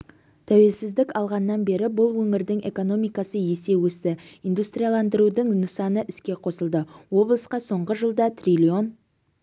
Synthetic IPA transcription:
t̪ʰæwe̞lsɪzd̪ɪkɑlˠʁɑnːɑnbe̞ɾɪbʊlˠwɵŋɪɾd̪ɪŋʔe̞ko̞no̞mijkɑsəje̞se̞wɵsɪind̪ust̪ɾʲijalˠɑnd̪əɾud̪əŋnəsɑnəʔɪskʲe̞qʰo̞səlˠd̪əwo̞blˠəsqɑso̞ɴʁəʒəlˠd̪ɑt̪rilʲio̞n

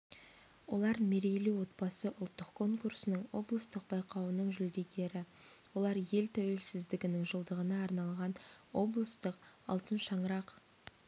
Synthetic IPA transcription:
wo̞lˠɑɾme̞ɾejluwo̞t̪̚bɑsəʔʊlˠt̪ːəqkʰːo̞ŋkursənəɴwo̞blˠəst̪əq̚b̥ɑjqɑwənəɴʒʏld̪e̞ɡʲe̞ɾɪwo̞lˠɑɾje̞lt̪ʰæwe̞lsɪzd̪ɪɡʲɪnɪŋʒəlˠd̪əʁənɑːɾnɑlˠʁɑnwo̞blˠəst̪əqɑ̰lˠt̪ənʃɑɴəɾɑq

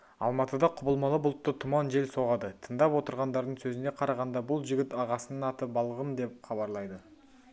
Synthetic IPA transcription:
ɑ̰lˠmɑt̪əd̪ɑqʰʊbəlˠmɑlˠəbʊlˠt̪ːət̪ʰʊmɑnʒe̞lso̞ʁɑd̪ət̪ʰənd̪ɑpwo̞t̪əɾʁɑnd̪ɑɾd̪əɴsɵzɪne̞qʰɑɾɑʁɑnd̪ɑbʊlˠʒɪɡʲɪt̪ɑʁɑsənənɑt̪əp̚bɑlˠʁəmd̪e̞p̚χɑβɑɾlˠɑjd̪ə

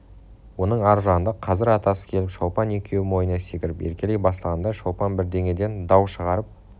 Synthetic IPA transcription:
wo̞nəɴɑɾʒɑnnd̪əqʰɑzɪɾɑt̪ɑsə̥kʲʰe̞lɪpʃowpɑne̞kʲʰe̞wɪmo̞jənɑse̞kʲɪɾɪpeɾkʲe̞lejbɑslˠʁɑnd̪ɑʃowpɑnbɪɾd̪e̞ŋe̞d̪e̞nd̪ɑwʃəʁɑɾəp̚

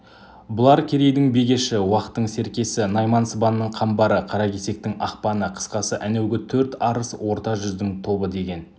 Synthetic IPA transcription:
bʊlˠɑɾkʲʰe̞ɾe̞jd̪ɪŋbe̞ɡʲe̞ʃɪwɑqə̥t̪ːəɴse̞ɾkʲe̞sɪnɑjmɑnsəbɑnːəɴqʰɑmbɑɾəqʰɑɾɑkʲʰe̞se̞k̚t̪ɪŋɑqpɑnəqʰə̥sqɑsəʔænewɡʲɪt̪ʰɵɾt̪ɑɾəswo̞ɾt̪ɑʒʏzd̪ɪŋt̪ʰo̞bəd̪e̞ɡʲe̞n

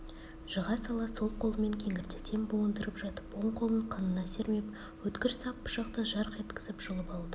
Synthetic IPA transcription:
ʒ̥əʁɑsɑlˠɑso̞lˠqʰo̞lˠəme̞ŋkʲʰe̞ŋʲɪɾt̪e̞t̪ʰe̞mbowənd̪əɾəpʒɑt̪ə̥pwo̞ɴqʰo̞lˠəɴqʰɑnənɑse̞ɾme̞p̚ | wɵt̪kʲɪɾsɑpːʊ̥ʃɑqt̪əʒɑɾqe̞t̪kʲɪ̥zɪpʒ̥ʊlˠəpɑlˠd̪ə

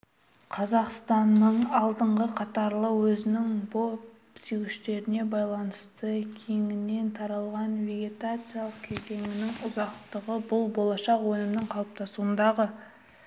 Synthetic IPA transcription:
qʰɑzɑqst̪ɑnːəɴɑlˠd̪əɴʁəqʰɑt̪ɑɾlˠəwɵzɪnɪŋbop | siwɪʃt̪e̞ɾɪne̞bɑjlˠɑnəst̪əkʲʰe̞ŋɪnːe̞nt̪ʰɑɾɑlˠʁɑnvʲe̞ɡʲe̞t̪at̪sɨijalˠəq̚kʲʰe̞ze̞ŋɪnɪŋʊzɑqt̪əʁəbʊlˠbo̞lˠɑʃɑqwɵnɪmnɪɴqʰɑlˠəp̚t̪ʰɑsuənd̪ɑʁə

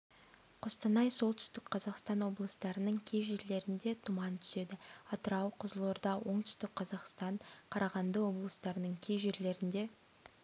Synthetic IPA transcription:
qʰost̪ɑnɑjso̞lˠt̪ʏst̪ɪkqʰɑzɑqst̪ɑnwo̞blˠəst̪ɑɾənəɴkʲʰe̞jʒe̞ɾle̞ɾɪnd̪e̞t̪ʰumɑnt̪ʰʏ̥se̞d̪ɪɑt̪əɾɑwqʰəzəlˠoɾd̪ɑwo̞ɴt̪ʏ̥st̪ɪk̚qʰɑzɑqst̪ɑɴqʰɑɾɑʁɑnd̪əwo̞blˠəst̪ɑɾənəɴkʲʰejʒe̞ɾle̞ɾɪnd̪e̞

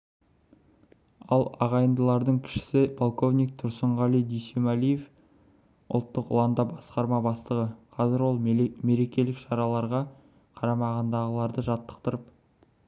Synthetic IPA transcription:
ɑlˠɑ̰ʁɑjənd̪əlˠɑɾd̪əɴkʲʰɪ̥ʃɪ̥sɪpʰolˠkʰo̞vnʲijk̚t̪ʰʊɾsəɴʁɑlˠijd̪ijsemalije̞f | ʊ̰lˠt̪ːəqʊ̰lˠɑnd̪ɑbɑsqɑɾmɑbɑst̪əʁəqʰɑzɪɾwo̞lˠme̞ɾe̞kʲe̞lɪkʃɑɾɑlˠɑɾʁɑ | qʰɑɾɑmɑʁɑnd̪ɑʁəlˠɑɾd̪əʒɑt̪ːə̥qt̪əɾəp̚

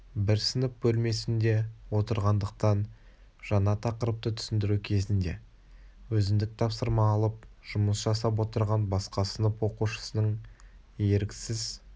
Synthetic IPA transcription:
bɪɾsənəp̚bɵlme̞sɪnd̪e̞wo̞t̪əɾʁɑnd̪əq̚t̪ɑn | ʒ̥ɑnɑt̪ʰɑqəɾəp̚t̪ət̪ʰʏ̥sɪnd̪ɪɾukʲʰe̞zɪnd̪e̞ | wɵzɪnd̪ɪk̚t̪ʰɑpsəɾmɑːlˠəp̚ʒ̥ʊməsʒɑsɑp̬wo̞t̪əɾʁɑnbɑsqɑsənəpwo̞quʃə̥sənəɴ | je̞ɾɪkʲsɪz

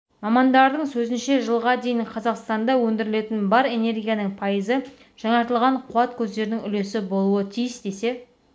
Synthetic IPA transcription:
mɑmɑnd̪ɑɾd̪əɴsɵzɪnʃe̞ʒəlˠʁɑd̪e̞jɪɴqʰɑzɑqst̪ɑnd̪ɑwɵnd̪ɪɾɪle̞t̪ɪnbɑɾe̞ne̞rɡʲijanəɴpʰɑjəzə | ʒ̥ɑɴɑɾt̪əlˠʁɑɴqʰuɑt̪kʲʰɵzd̪e̞ɾɪnɪŋʏle̞sɪbo̞lˠuət̪ʰijəsd̪e̞se̞

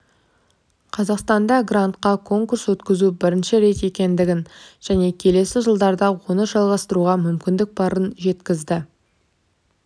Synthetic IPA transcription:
qʰɑzɑqst̪ɑnd̪ɑɡrant̪qɑkʰo̞ŋkuɾswɵt̪kʲɪzubɪɾɪnʃɪɾe̞t̪e̞kʲe̞nd̪ɪɡʲɪnʒ̥æne̞kʲʰe̞le̞sɪʒəlˠd̪ɑɾd̪ɑwonəʒɑlˠʁɑst̪əɾuʁɑmʏmkʲɪnd̪ɪk̚bɑɾənʒe̞t̪kʲɪzd̪ɪ

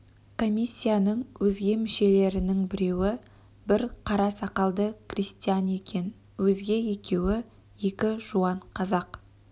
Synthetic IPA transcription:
kʰo̞mʲijsʲːijanəɴwɵzɡʲe̞mɪʃe̞le̞ɾɪnɪŋbɪɾe̞wɪ | bɪɾqʰɑɾɑsɑqɑlˠd̪əkʰrist̪ijane̞kʲe̞n | wɵzɡʲe̞je̞kʲe̞wɪ | je̞kʲɪʒuɑɴqʰɑzɑq

